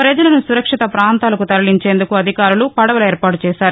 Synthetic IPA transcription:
pɾɐd͡ʒɐlɐnusuɾɐkʂit̪ɐpɾaːnt̪aːlɐkut̪ɐɾɐliɲt͡ʃe̞ːnd̪ukuɐd̪ʱikaːɾulupɐɽɐʋɐlɐeːɾpaːʈut͡ʃɛːsaːɾu

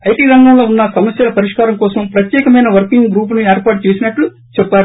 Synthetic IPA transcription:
ɐjʈiːɾɐŋɡɐŋɡaːunːɐsɐmɐsjɐlɐpɐɾiʂkaːɾɐmkɔːsɐmpɾɐt̪jɛːkɐmɐjnɐʋɐɾkiŋɡɡɾuːp̬nieːɾpaːʈ̚t͡ʃeːsinɐʈlu | t͡ʃɛpːaːɾu

